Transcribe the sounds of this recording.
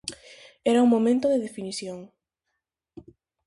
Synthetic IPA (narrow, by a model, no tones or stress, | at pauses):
ɛɾauŋmomẽnt̪oðeðefiniθjoŋ